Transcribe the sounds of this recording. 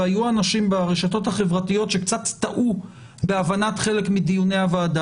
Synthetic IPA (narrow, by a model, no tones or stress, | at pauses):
ajuanaʃimbaʁeʃato̞thaχevʁatijo̞tʃekt͡satt̪aʔu | beavanatχe̞le̞kmidijuneavaːda